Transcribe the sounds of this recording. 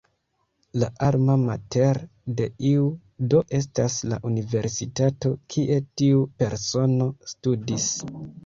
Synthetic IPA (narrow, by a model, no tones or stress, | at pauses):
laʔaɾmamate̞ɾ | de̞iu | do̞ʔe̞s̬tasla̰ʔunive̞ɾsitato̞kʰiʔe̞tiupe̞ɾso̞no̞studis